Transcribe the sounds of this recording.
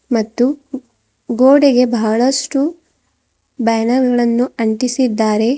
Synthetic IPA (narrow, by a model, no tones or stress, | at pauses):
mɐt̪ːu | ɡoːɽeɡe̞bɐɐɭɐʂʈu | bɐjɐnɐɾɡɐɭɐnːuɐɳʈisid̪ːaːɾe̞